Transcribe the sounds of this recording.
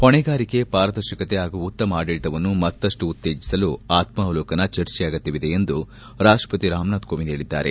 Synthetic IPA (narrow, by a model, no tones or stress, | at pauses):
hɔɳɛɡaːɾike̞paːɾɐd̪ɐɾʃɐkɐt̪eaːɡuʋut̪ːɐmaːɽiɭt̪ɐʋɐnːumɐt̪ːɐʂʈuːt̪ːe̞ːd͡ʒisɐluaːt̪mɐʋɐloːkɐnɐt͡ʃɐɾt͡ʃɛjaːɡɐt̪ːiʋid̪e̞end̪u | ɾaːʂʈɾɐ̥pɐt̪iɾaːmnaːd̪̚koːʋineːɭid̪ːa̰ːɾe̞̰